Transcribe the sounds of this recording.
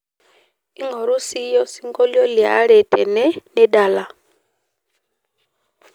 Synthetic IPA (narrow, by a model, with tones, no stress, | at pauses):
i˦ŋɔ˨ɾu˦si˦jɔ˦si˦ŋɡɔ˦ljɔ˦lja̰˦ɾɛ˨tʰɛ˨nɛ˦nɛ˦da˨la˨